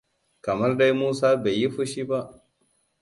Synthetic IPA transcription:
kɐ˨mɐ˦rda˦jmuː˦saː˦be˨jːi˦ɸʊ˦ʃiː˦ba˦ʔ

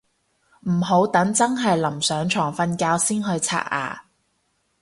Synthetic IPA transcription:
m̩˨˩ɦo˨˥wt̪ɐ˨˥ŋt͡sɐ˥ŋɦɐ˨jlɐ˨˩msœː˨˥ŋt͡ʃʰɔː˨˩ŋfɐ˧nkaː˧wsiː˥nhɵ˧ɥt͡sʰa̰ː˧˥t̚a̰ː˨˩

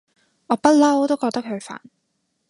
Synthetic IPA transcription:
ŋɔː˨˧pɐ˥t̚lɐ˥wt̪o˥wkɔː˧k̚t̪ɐ˥k̚hʰɵ˧ɥfa̰ː˨˩n

